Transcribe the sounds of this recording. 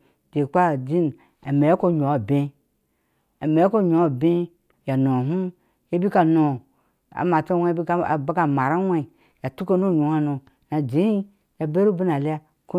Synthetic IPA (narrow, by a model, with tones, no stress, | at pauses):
de˨k͡pa˦˨d͡ʒi˦n˨ | a˨me˨a˦ko˦˨ɲo˨a˨be˦ | a˨me˨jko˦˨ɲo˨˦a˨be˦ | ja˨no˨ɦu˦ | e˦bi˦ka˨no˨ | a̰˨ma˨ta˦wʷe˦bi˦˨ba˦ka˨ma˨ɾa˦wʷe˦˨ | ja˨tu˦ko˦no˦˨ɲu˨ha˦no˨ | na˨d͡ʒi˨˦ | ja˨be˦ɾu˦bi˦na˨li˦a˦ | ko˦